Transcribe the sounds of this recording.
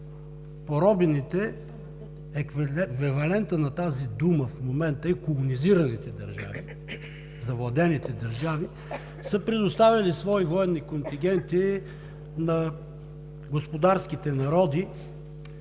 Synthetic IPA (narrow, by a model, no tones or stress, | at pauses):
poɾɔbɛnit̪ɛ | ɛkvkvɛvɐlɛnt̪ənɐt̪azid̪uməfmomɛnt̪əɛkolˠoniziɾɐnit̪ɛd̪ɐɾʒa̰vḭ | zɐvlˠɐd̪ɛnit̪ɛd̪ɐɾʒavi | səpɾɛd̪ost̪avʲɐlisvɔivɔɛnːikont̪iŋɡʲɛnt̪i | nɐ | ɡospod̪aɾskit̪ɛnɐɾɔd̪i